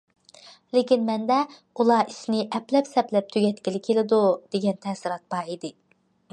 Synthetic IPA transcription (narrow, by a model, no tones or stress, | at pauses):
lekʲinmɛnd̪ɛ | ulˠɑʔiʃnɪʔɛplɛpsɛplɛp̚t̪ʰyɡʲɛt̪kʲilɪkʲʰelɪd̪ud̪̥eɡʲɛnt̪ʰɛsɨɾɑt̪̚b̥ɑid̪ɪ